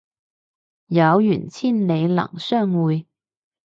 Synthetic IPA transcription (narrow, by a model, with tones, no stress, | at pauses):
jɐ˨˧wjy̰˨˩nt͡sʰiː˥˩nle˨˧jlɐ̰˨˩ŋsœː˥˩ŋuː˨˧j